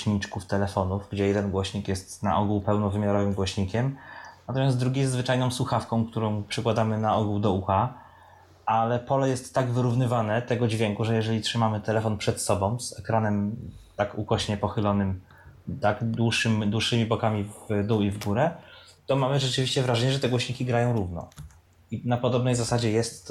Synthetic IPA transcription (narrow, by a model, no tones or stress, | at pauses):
ɲit͡ʂkuft̪ɛlɛfɔnufɡd͡ʑɛjɛd̪ɛnɡwɔɕɲikjɛst̪na̰ʔɔɡuwpɛwnɔvɘmʲjaɾɔvɘmɡwɔɕɲikʲɛmnat̪ɔmʲjasd̪ɾuɡʲijɛzzvɘt͡ʂajnɔ̃w̃swuxafkɔ̃w̃k̚t̪uɾɔ̃w̃pʂɘkwad̪amɘnaɔɡuwd̪ɔuxa | ʔalɛpɔlɛjɛst̪ːaɡvɘɾuvnɘvanɛt̪ɛɡɔd͡ʑvʲjɛŋkuʐɛjɛʐɛlʲitʂɘmamɘt̪ɛlɛfɔnpʂɛt̪sɔbɔ̃w̃zɛkɾanɛmt̪akukɔɕɲɛpɔxɘlɔnɘm | t̪aɡd̪wuʂɘmd̪wuʂːɘmʲibɔkamʲivd̪uwivɡuɾɛt̪ɔmamɘʐɛt͡ʂɘvʲiɕt͡ɕɛvɾaʐɛɲɛʐɛt̪ɛɡwɔɕɲikʲiɡɾajɔ̃w̃ɾuvnɔ̰ | inapɔd̪ɔbnɛjzasad͡ʑɛjɛst̪